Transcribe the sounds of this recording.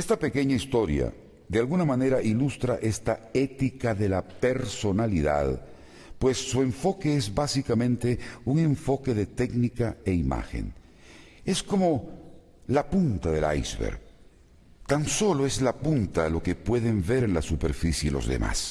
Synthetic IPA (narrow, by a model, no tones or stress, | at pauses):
est̪ape̞ke̞ɲaist̪o̞ɾja̰ | ðealɣunamane̞ɾaʔilust̪ɾaʔe̞st̪ae̞t̪ikaðe̞lape̞ɾso̞naliða̰ð | pwe̞sːue̞ɱfo̞ke̞ezbasikamẽ̞nt̪e̞uŋe̞ɱfo̞ke̞ðe̞t̪eknikaeima̰xḛn | e̞sko̞mo̞ | lapunt̪aðela̰jzβḛɾ | t̪anso̞lo̞e̞zlapunt̪alo̞ke̞pwe̞ðe̞mbe̞ɾenlasupe̞ɾfisjelo̞̰zðḛmʔa̰s